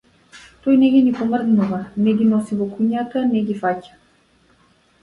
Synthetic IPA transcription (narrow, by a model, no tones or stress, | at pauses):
t̪ɔjnɛɡinipɔmrznuvanɛɡʲinɔsivɔkuɲat̪anɛɡʲifacḁ